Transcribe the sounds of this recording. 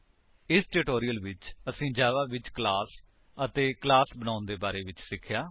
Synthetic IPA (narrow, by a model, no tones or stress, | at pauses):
ɪsʈɪʈoːɾijəlʋɪt͡ʃəsĩːd͡ʒaːʋaːʋɪt͡ʃklaːs | ət̪eːklaːsbənãːʊnd̪eːbaːɾeːʋɪt͡ʃsɪkʰːjaː